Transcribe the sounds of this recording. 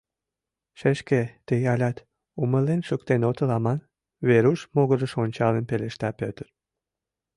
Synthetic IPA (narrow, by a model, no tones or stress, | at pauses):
ʃeʃket̪ejɑlʲɑt̪ | uməlenʃəkt̪enot̪əlɑmɑn | βeɾuʃmoɣəɾə̆ʃonʲt͡ɕɑlenpeleʃt̪ɑpøt̪ər